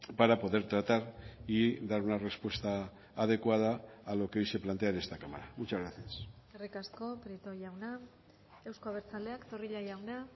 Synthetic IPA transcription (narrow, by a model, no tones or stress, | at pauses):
paɾapo̞ðe̞ɾt̪ɾat̪aɾid̪aɾunare̞spwe̞st̪aː | ð̞e̞kwað̞aːlo̞keojse̞plant̪eaɾe̞st̪akamaɾamut͡ʃazɣɾaθiaserikasko̞pɾit̪o̞jawna | e̞wskoaβ̞e̞ɾt͡sald̪e̞akt̪o̞riʎajawna